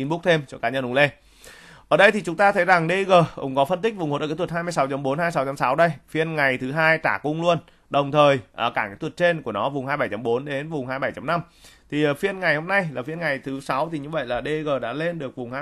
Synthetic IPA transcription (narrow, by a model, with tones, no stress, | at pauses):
i˨˦nɓu˦˥k̚t̪ʰe˧mt͡ɕɔ˧kaː˨˦ɲə˧nʔʊ˨˧˦ŋ͡mle˧ | ʔəː˧˩ɗə˧jt̪i˨˩t͡ɕʊ˨˦ŋ͡mt̪aː˧t̪ʰə˨˦jza˨˩ŋɗe˧ɣəː˨˩kʊ̰˨˦ŋ͡mkɔ˨˦fə˧nt̪i˦˥k̟̚vʊ˨˩ŋ͡mo˨˦ə˨˩˨t̪̚ʰhaː˧jmɨ˧əjsa˨˦wt͡ɕə˨˦mɓo˨˦nhaː˧jsa˨˦wt͡ɕa˨˦msa˨˦wɗə˧jfi˧ənŋa˨˩jt̪ʰɨ˨˦ɦaː˧jt͡ɕaː˧˩kʊ˧ŋ͡mlu˧ən | ɗə˨˩wŋ͡mt̪ʰəː˨˩jʔəː˧˩kaː˧˩ŋa̰˨˧˥jt̪wt̚t͡ɕe˧nku˧˩ənɔ˨˦vʊ˨˩ŋ͡mhaː˧jɓa˧˩jt͡ɕa˨˦mɓo˨˦nɗe˨˦nvʊ˨˩ŋ͡mhaː˧jɓa˧˩jt͡ɕa˨˦mna˧m | t̪ʰi˨˩ʔːfi˧ənŋa˨˩jho˧mna˧jlaː˨˩fi˧ənŋa˨˩jt̪ʰɨ˨˦sa˨˦wt̪ʰi˨˩ɲɨ˧və̰˧˨jlaː˨˩ɗe˧ɣəː˨˩ɗa̰ː˧˥le˧nɗɨ˨˩ək̚vʊ˨˩ŋ͡mhaː˧